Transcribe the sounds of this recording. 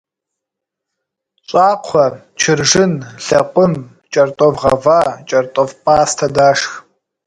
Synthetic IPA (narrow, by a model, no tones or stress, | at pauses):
ɕʼaːqʷʰɔ | t͡ʃʰɪrʒɨnɬɐqʷʼʊm | t͡ʃʼɐrtʼɔvʁɐ̰vaːt͡ʃʼɐrtʼɔvpʰʼaːstʰɐdaːʂx